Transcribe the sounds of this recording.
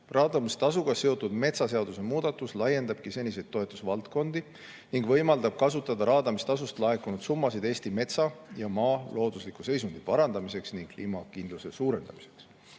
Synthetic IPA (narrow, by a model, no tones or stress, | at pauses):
rɑːd̪ɑmist̪ɑsuɡ̥ɑse̞o̞t̪ːˑud̪̥me̞t̪sɑseɑd̪̥use̞muːd̪̥ɑt̪ːˑuslɑje̞nd̪ɑb̥kise̞nʲːis̬e̞jdt̪̚t̪ːo̞e̞t̪ːˑusvɑlt̪ko̞nd̪̥i | niŋɡ̥vɤ̞jmɑld̪ɑb̥̚kɑsut̪ːˑɑd̪̥ɑɾɑːd̪ɑmist̪ɑsust̪lɑe̞kunud̪̥sumːɑsid̪e̞ːst̪ime̞t̪sɑjɑmɑːlo̞ːd̪̥uslikuse̞jsund̪̥ipɑɾɑnd̪ɑmise̞ksniŋɡ̥̚kːliːmɑkind̪luse̞suːɾe̞nd̪̥ɑ̰mi̥se̞̥ks